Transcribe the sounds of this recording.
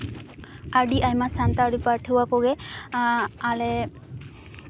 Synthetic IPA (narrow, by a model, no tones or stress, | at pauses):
aɹdiʔajmasantaadipaɹʈʰɯwakɔɡɛ | alɛ